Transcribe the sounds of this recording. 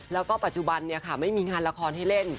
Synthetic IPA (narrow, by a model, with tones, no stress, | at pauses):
lɛː˦˥wkɔː˥˩pa˨˩t̪̚t͡ɕu˧˩ba˧nːi˥˩ɐkʰa˥˩ma˥˩jmiː˧ŋaː˧nla˧kʰɔː˧nha˥˩jle˥˩n